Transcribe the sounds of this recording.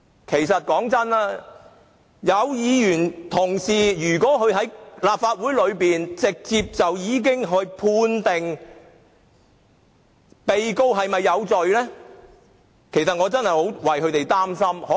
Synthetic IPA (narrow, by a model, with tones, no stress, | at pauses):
kʰe˨˩jsɐ˨t̚kɔː˨˥ŋt͡sɐ˥naː˥ | jɐ˨˧wjiː˨˧jyː˨˩nt̪ʰʊ˨˩ŋsiː˨˩jyː˨˩kʷɔː˨˥kʰɵ˨˧ɥɦɐ˨˥jlaː˨p̚faː˧t̚wuː˨˥jlɵ˨˧ɥpiː˨nt͡sɪ˨k̚t͡siː˧p̚t͡sɐ˨wjiː˨˧k̬ɪ˥ŋɦɵ˨˧ɥpʰuː˧nt̪ɪ˨˩ŋ | pe˨jko˥wɦɐ˨jmɐ˨jːɐ˨˧wt͡sɵ˨ɥlɛː˥ | kʰe˨˩jsɐ˨t̚ŋɔː˨˧t͡sɐ˥nhɐ˨˩jho˨˥wwɐ˨jɦɵ˨˧ɥt̪e˨˩jt̪aː˥msɐ˥mhɔː˨˦